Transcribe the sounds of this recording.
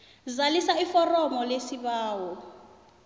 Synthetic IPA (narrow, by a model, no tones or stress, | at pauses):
zalisaifɔrɔmɔlesiβaːwɔ